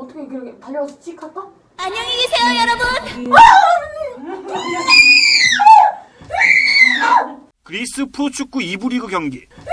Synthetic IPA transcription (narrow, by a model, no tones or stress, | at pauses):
ɔtʰʌkʰekɯɾkʰepaʎːʌst͡ɕikʰak͈o | aɲʌŋiɡisʰe̞jojʌɾʌbun | kɯɾis͈ɯpʰot͡ɕʰuk̚k͈uibuɾiɡoɡjʌŋɡi